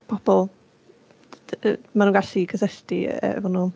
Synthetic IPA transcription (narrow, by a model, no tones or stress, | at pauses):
pʰɔb̥ɔlˠ | manuŋɡaɬikʰəsɛɬtiə̰ɛ̰vɔnuː